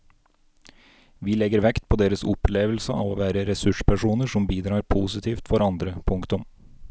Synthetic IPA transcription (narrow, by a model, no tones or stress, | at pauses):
ʋiːlɛɡəɾʋɛkt̪̚pʰoːd̪eːɾəsʊpleːʋəl̩səʔɑ̰ːʋoːʋæːɾəɾɛsʉʂpʰæʂuːnəʂɔmbiːd̪ɾɑːɾpʰuːsɪt̪ʰiːft̪fɔɾɑnd̪ɾəpʰʊŋkt̪ʊm